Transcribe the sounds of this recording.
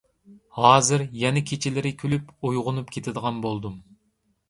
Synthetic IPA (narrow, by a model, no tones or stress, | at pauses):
hɑːzɪɾjɛnɛkʲʰet͡ʃʰɪlɪɾɪkʲʰølypujʁʊnupkʲʰet̪ʰɪd̪əʁɑnbolˠd̪um